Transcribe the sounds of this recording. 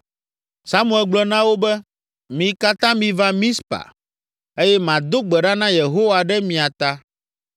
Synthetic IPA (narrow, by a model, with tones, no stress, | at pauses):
sa˦mũ˨ɛ˨lɡ͡blɔ˨nã˦wo˦bɛ˦ | mĩ˨ka˦t̪ã˦mĩ˨va˦mĩ˦spa̰˨ | e˦jɛ˦mã˨d̪o˦ɡ͡bɛ˨ɖa˦nã˦je˨ɦo˦wa˨ɖɛ˦mĩ˨a˨t̪a˦